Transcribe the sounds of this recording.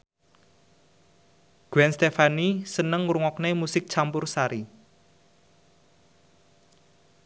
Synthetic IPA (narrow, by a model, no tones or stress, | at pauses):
ɡ̥ɛnst̪efanisənəŋɾuŋɔknemusɪk̚t͡ʃampʊrsaɾi